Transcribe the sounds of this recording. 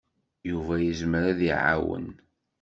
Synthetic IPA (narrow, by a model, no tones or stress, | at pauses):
juvæjəzməɾaðiʕa̰wə̰n